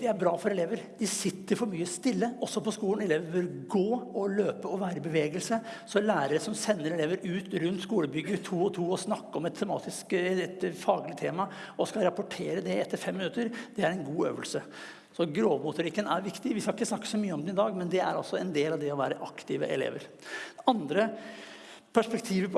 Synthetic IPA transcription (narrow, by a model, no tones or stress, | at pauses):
d̪ɛæɾbɾɑːfɔɾɛleːʋəɾd̪ɪsɪt̪ːəɾfɔɾmyːəst̪ɪlːəɔsːɔpʰɔskuːlənɛleːʋəɾbɪlɡoːɔløːpəɔʋæːɾəɪbəʋeːɡəlsəsɔlæːɾəɾəsɔmsɛnːəɾɛleːʋəɾʉːt̪ɾʉnt̪skuːləbʏɡːət̪ʰuːɔt̪ʰuːɔsnɑkːəɔmɛt̪ʰːɛmɑ̰ːt̪ɪskɛt̪fɑːɡlɪt̪ʰeːmɑɔskɑɾɑpɔʈʰeːɾəd̪ɛɛt̪ːəɾfɛmːɪnʉt̪əɾd̪̥ɛæɾɛnɡuːø̰ːʋəlsə | sɔɡɾoːʋmʊt̪ʊɾɪkːənæɾʋɪkt̪ɪʋɪhɑɾɪkːəsnɑkːə̥sɔmyːəɔmd̪ɛnɪd̪ɑːɡmɛnd̪ɛæ̰ɾɑlsɔɛnd̪eːlɑʋd̪ɛɔʋæːɾəʔɑkt̪ɪʋə̰ʔɛ̰lḛːʋə̰ɾɑnd̪ɾə | pʰæʂpɛkt̪ʰiːʋəpʰ